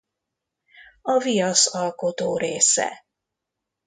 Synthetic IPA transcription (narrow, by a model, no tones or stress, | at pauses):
ɒvijɒsɒlko̞t̪oːɾeːsɛ̰